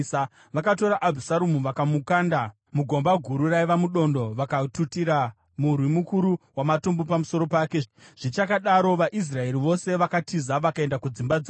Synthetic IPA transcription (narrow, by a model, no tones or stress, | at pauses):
ʋakato̞ɾaʔabʱusaɾumuʋakamukanda | muɡʱo̞mbaɡʱuɾuraiʋamuɗo̞ndo̞ʋakatutiɾa | murwimukuɾuwamatombopamuso̞ɾo̞paːkeʐ̥it͡ʃakaɗaɾo̞ʋaʔis̬rae̞ɾiʋo̞se̞ʋakatizaʋakae̞ndakud͡zimbad͡za